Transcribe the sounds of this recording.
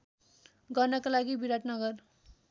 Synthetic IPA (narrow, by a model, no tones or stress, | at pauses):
ɡʌrnʌkalaɡibiɾaʈnʌɡʌr